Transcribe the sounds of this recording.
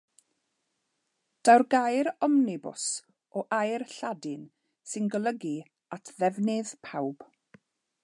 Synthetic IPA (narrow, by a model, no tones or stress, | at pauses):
d̥awrɡajɾɔmnɪbʊ̰s | ɔʔajrɬadɪn | sɪnɡəlˠəɡi | atʰðɛvnɨðpʰawb̥